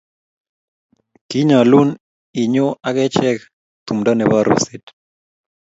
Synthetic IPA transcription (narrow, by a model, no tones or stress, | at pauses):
kiɲalun | iɲoʔaɣet͡ʃɛk | t̪umd̪aneβarḛsit̪